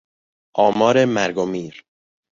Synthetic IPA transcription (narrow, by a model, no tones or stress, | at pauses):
ʔɒːmɒːɾemæɾɡomiːɾ